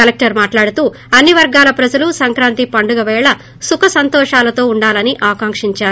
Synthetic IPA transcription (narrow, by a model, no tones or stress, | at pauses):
ɐlek̚ʈɐɾmaːʈlaːɽut̪uː | ɐnːiʋɐɾɡaːlɐpɾɐd͡ʒɐlusɐŋkɾaːnt̪ipɐɳɖuɡɐʋɛːɭɐ | sukɐsɐnt̪ɔːʂaːlɐt̪o̞ːuɳɖaːlɐniʔaːkaːŋkʂiɲt͡ʃaːɾu